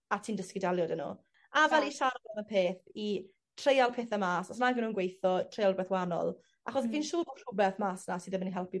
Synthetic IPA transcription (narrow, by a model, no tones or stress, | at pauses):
atʰiːndəskɪdaljɔdənṵ | avɛlˠiʃarvɔnəpʰeːθi | tʰr̥ejalˠpʰeːθəmaːsɔsnaɡənuːənɡwejθɔtʰrejalˠbwɛθwanɔ̰lˠ | aχɔsviːnʃuːr̥ʊbɛθmaːsnasiðəməniɦɛlˠpi